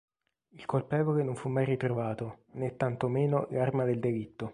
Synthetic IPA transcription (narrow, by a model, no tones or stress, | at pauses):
ilkolpɛːvolenoɱfumːajrit̪ɾovaːt̪onɛt̪ːant̪omeːnolarmad̪eld̪elit̪ːo